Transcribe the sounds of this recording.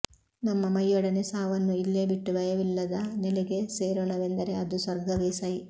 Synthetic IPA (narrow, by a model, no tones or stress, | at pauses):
nɐmːɐmɐjːɔɽɐnesaːʋɐnːuilːeːbiʈːuʋɐjɐʋilːɐd̪ɐnɛleɡe̞seːɾoːɳɐʋe̞nd̪ɐɾe̞ɐd̪usʋɐɾɡɐʋeːsɐj